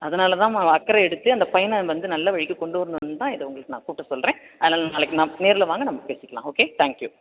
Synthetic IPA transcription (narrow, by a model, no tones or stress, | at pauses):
ɐðɐnaːlɐt̪ãːɐkːɐɾɐɛɽɯt̪ːɯɐnd̪ɐpɐjɐnʋɐnd̪ɯnɐlːɐʋɐɻɪkːɯkɔɳɖɯʋɐɾɯnd̪ʋnɯt̪ãːɪðɐʊŋɡɐɭɯkːɯnãːkuːʈːɐsɔlɾẽː | ɐðɐnaːlɐnaːlɐkːɯnaːneːɾɪlɐʋaːŋɡɐnɐmːɐpeːsɪkːɐlã̰ːoːket̪ʰaːŋkju